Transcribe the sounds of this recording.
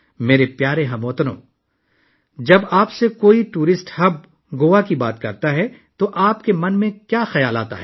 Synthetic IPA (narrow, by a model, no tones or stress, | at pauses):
meːɾepjaːɾeɦɐmoːt̪nõ̰ː | d͡ʒɐbaːpsekoːiʈuːɾɪsʈhɐb̚ | ɡoːʋakibaːt̪kɐɾt̪aɦɛt̪oʔaːpkemɐnmẽkjaːxɐjaːla̰ːt̪a̰ɦɛː